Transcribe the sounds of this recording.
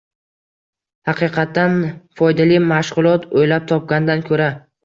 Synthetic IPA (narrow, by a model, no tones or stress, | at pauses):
hɑqʰɨqʰɑt̪ːanfɒjd̪alimaʃʁʊlˠɒt̪ʰojlap̚t̪ʰɒp̚ɡʲand̪ankʰɵɾa